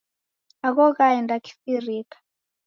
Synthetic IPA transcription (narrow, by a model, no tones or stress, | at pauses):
akɔkaɛndakʰi̥firiːkḁ